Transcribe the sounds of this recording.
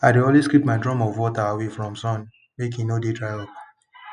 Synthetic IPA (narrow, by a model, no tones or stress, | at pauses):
adeoliskɹipmaɪdɹɔ̃mɔvwɔtaawefɹɔ̃msɔ̃n | mek̬ĩnodetɹajɔp